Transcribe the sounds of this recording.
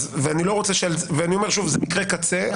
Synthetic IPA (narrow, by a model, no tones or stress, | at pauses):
zveanilo̞ʁo̞t͡seʃelveaniomeʁʃuvzemikʁekat͡se